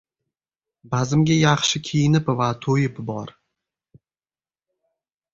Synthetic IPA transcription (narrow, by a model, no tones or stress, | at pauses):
bazɪmɡʲajɑχʃɪkʲʰijɪnɪpvat̪ʰojɪpbɒɾ